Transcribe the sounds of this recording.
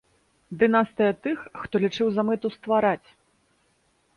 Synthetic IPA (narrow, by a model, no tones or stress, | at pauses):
d̪ɨnast̪ɨjɐt̪ɨxːt̪ɔlʲit͡ʂɨwzamɨt̪ust̪vaɾat͡sʲ